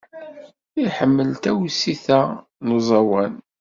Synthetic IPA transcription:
iħəmːəlt̪æwsiθæ | nuzˤɑwæn

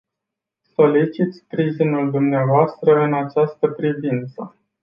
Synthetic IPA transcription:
so̞lit͡ʃit̪sʲpɾiʒinuld̪umneavoast̪ɾəɨnat͡ʃast̪əpɾivint̪sə

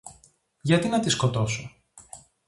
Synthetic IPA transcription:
ʝɐt̪inɐt̪iskot̪o̞so

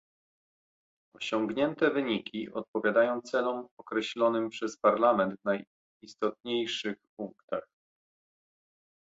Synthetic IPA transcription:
ɔɕɔŋɡɲɛnt̪ɛvɘɲikʲiɔt̪̚pɔvʲjad̪ajɔ̃w̃t̪sɛlɔmɔkɾɛɕlɔnɘmpʂɛspaɾlamɛnd̪vnaj | ist̪ɔt̪ɲejʂɘxpuŋkt̪ax

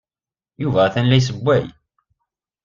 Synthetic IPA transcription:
juvæθænlæjs̬əbʷːæj

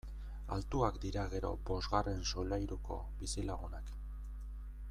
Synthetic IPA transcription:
a̰lt̪uakd̪iɾaɣe̞ɾo̞̰bo̞zɣare̞nsolajɾuko̞̰ | bisilaɣunak

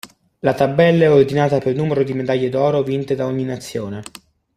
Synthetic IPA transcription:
lat̪abːɛlːaɛord̪inaːt̪apelnuːmeɾod̪imed̪aʎːed̪ɔːɾovint̪ed̪aoɲːinat̪sːjoːne

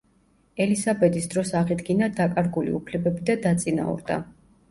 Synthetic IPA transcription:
ɛlisabɛd̪isd̪ɾɔsaʁid̪ɡinad̪akʼaɾɡulḭupʰlɛbɛbid̪ad̪at̪sʼina̰ṵɾd̪a̰

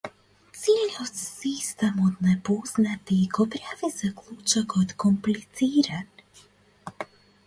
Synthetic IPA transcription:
silɲɔssiːst̪amɔd̪nɛpɔznat̪ikɔpɾavɛzakluːt͡ʃakɔt̪kɔmplit͡siːɾan

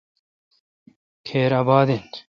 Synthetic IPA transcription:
kʰeːɾaːbaːd̪in

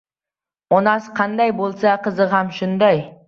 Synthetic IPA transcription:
monɑsqʰɑnd̪ɑjbolˠsɑqʰəzəʁɑmʃʊnd̪ɑj

